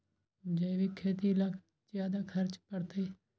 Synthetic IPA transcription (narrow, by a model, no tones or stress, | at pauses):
d͡ʒəiʋiːkʰeːt̪̬iːla | d͡ʒjaːd̪aːkʰəɾt͡ʃpəɽt̪eː